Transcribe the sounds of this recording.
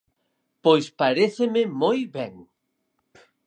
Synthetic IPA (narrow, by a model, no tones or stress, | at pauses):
pojspaɾeθemɪmojβɛŋ